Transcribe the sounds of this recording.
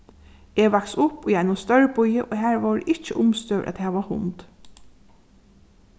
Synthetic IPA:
eʋaksʊpɔjɛɪnʊst̪œɹbʊjəʔoːɦæːɹʋɔːɾʔɪt͡ʃəʔʊmst̪œ̰ʔæ̰t̪hɛːʋahʊ̰nt̪

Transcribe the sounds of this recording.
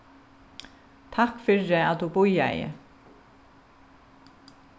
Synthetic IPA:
t̪ʰakfʏrɪat̪d̪ubʊja̰jɪ̰

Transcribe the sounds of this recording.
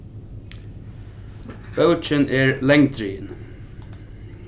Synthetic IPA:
b̥əʊt͡ʃənʔeːɹlɛŋd̪ɾiːn

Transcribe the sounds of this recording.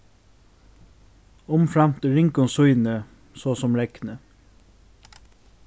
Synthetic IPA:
ʊmfɹɑmt̪ɪɾɪŋkɔsuʏnə | soːsɔmɾɛknə

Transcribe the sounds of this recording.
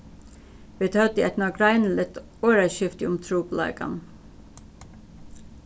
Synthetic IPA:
ʋiːt̪ʰœːt̪əɛt̪nɑɡɾɑɪnl̩ət̪ | oːɾæʃʏft̪ḭʊmt̪ʰɾuːplɑ̰ːɡɑ̰n

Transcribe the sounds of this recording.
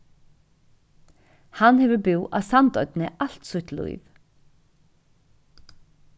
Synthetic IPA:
hanːhɛvʏɾbʏwʔa̰ðsant̪ɔɥt̪nɛal̥t̪suht̪lṵjv

